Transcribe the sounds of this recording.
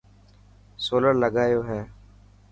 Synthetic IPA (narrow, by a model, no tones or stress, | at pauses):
soːləɾləɡaːjoːɦɛː